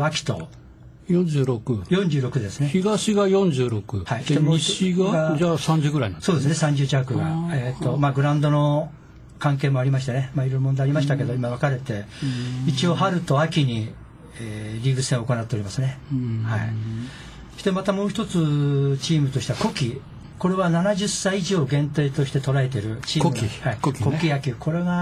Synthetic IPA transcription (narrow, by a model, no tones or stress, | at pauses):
akʲi̥t̪o̞̰ | jõɲd͡ʑɨːɾo̞kɯjõ̞ɲd͡ʑɨːɾo̞kɯ̟d̪e̞sɨne̞çiɡaɕiɡajõ̞ɲd͡ʑɨːɾokɯ̟haieoiɕiɡaasãɲ̟d͡ʑɨɡɯɾainaso̞ːd̪esɨnesãɲ̟d͡ʑɨːt͡ɕiakɯ̟ɡaeːt̪ːomaːɡɯ̟ɾãnd̪o̞no | kãŋke̞ːmoaɾʲimaɕ̬it̪enemaːiɾoiɾomõd̪eaɾʲimaɕit̪ake̞d̪o̞imaβakaɾe̞t̪e̞it͡ɕio̞ːɦaɾɯ̟t̪o̞akʲiɲ̟i | eːɾʲiɡɯsẽ̞oko̞nat̪ːe̞o̞ɾʲimasɨne̞ha̰ḭ | sd̪emat̪amo̞ːçi̥t̪o̞t͡sɨt͡ɕiːmɯ̟t̪o̞ɕi̥t̪ako̞kʲi | ko̞ɾe̞βananaʑɨsːaiiʑo̞ːɡẽnt̪e̞ːt̪o̞ɕi̥t̪e̞t̪o̞ɾaet̪̬e̞ɾɯ̟t͡ɕiːkkʲihaikokʲko̞kʲiakʲikʰo̞ɾe̞ɡa